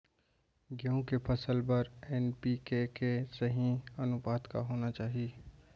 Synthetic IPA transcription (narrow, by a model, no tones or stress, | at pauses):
ɡeũkepʰəsəlpɐɾɛːnpikekesɐɦĩɐnʊbaːd̪ka̰ɦoːnat͡ʃaːɦie